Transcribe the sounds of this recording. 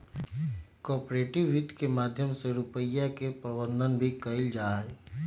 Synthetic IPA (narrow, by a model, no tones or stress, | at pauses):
kɔːpɾeːʈɪʋːit̪kemaːd̪ʱjəmseɾupəjːakepɾəbə̃nd̪ʱənbʱikəɪld͡ʒaːe